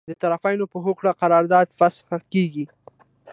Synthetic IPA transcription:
d̪ət̪aɾafajnopəɦokɽaqaɾɑɾd̪ɑd̪fasxakeɡi

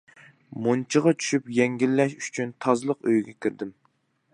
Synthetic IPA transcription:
mont͡ʃʰɨʁɑt͡ʃʰy̥ʃypjɛŋɡʲilːɛʃy̥t͡ʃʰynt̪ʰɑzlˠəqøjɡʲɛkʲʰɪɾd̪ɪm

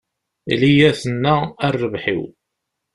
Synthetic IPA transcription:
lijæθənːæərːəvħḭw

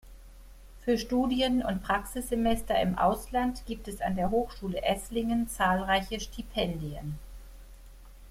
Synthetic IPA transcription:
fyːɐʃtuːdjənʊ̰ntpʁ̥aksɪsz̥emɛstɐɪ̰mʔa̰ʊslantɡ̥iːp̚tɛsa̰ndeːɐɦoːxʃuːləʔɛslɪŋənt͡saːlʁaɪçəʃtʰipʰɛndiə̰n

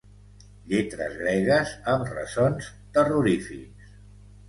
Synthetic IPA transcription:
ʎet̪ɾə̰zɣɾeɣəzəmrə̰zons | t̪əruɾifiks

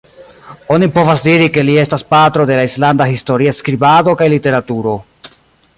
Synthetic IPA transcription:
o̞nipo̞vasdiɾike̞lie̞staspatɾo̞de̞laislandahisto̞ɾiaskɾibado̞kajlite̞ɾatuɾo̞

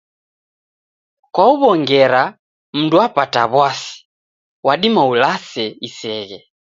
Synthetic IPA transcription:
kwauβɔŋɡɛɾa | m̩nduapataβwasi̥ | waɗimaulasɛisɛɣɛ

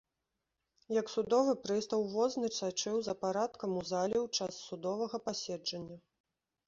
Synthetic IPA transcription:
jɐksud̪ɔvɨpɾɨst̪ɐwvɔznɨt͡ʂ̪at͡ʂɨwzɐpaɾat̪kɐmuzalʲɛwt͡ʂasːud̪ɔvɐɣɐpasʲɛd͡ʐɐnʲːɐ

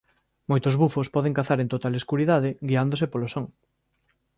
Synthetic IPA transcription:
mojt̪ozβufospɔðeŋkaθaɾẽnt̪ot̪aleskuɾiðað̞ɪɡiand̪osepolosoŋ

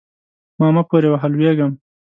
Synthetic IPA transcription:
mɑːmapoɾewaɦalweɡəm

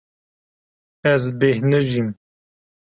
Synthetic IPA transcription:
ɛzbehnɨʒim

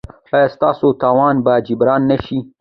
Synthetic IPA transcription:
ajast̪ɑːsot̪ɑːwɑːnbad͡ʒibɾɑːnːaʃi

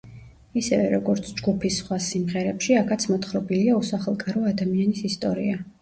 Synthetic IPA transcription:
isɛvɛɾɔɡɔɾt̪sʰd͡ʒɡupʰisːχwasimʁɛɾɛpʃiakʰat̪sʰmɔt̪χɾɔbiliausaχɛlˠkʼaɾɔad̪amianisist̪ʼɔɾḭa

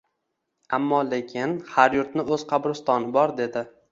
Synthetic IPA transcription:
amːɒle̞kʲʰɪnhaɾjʊɾt̪nɪɵz̥qʰɑbɾʊst̪ɒnɪbɒɾd̪e̞d̪ɪ

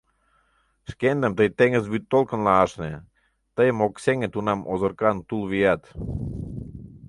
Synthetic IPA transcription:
ʃkend̪əmt̪əjt̪eŋəzβyt̪ːolkə̆nlɑɑʃne | t̪əjəmokseŋet̪unɑmʔozərkɑnt̪ulβijɑt̪

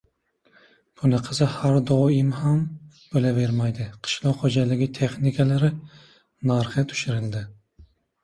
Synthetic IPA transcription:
b̥ʊnɪqʰɨzɪhaɾd̪ɒɪmham | b̥olave̞ɾmajd̪ɪqʰɨ̥ʃlˠɒqχod͡ʒalɪɡʲɪt̪ʰe̞χnɪkʲʰalaɾɪ | naɾχɨt̪ʰʊ̥ʃɪɾɪld̪ɪ

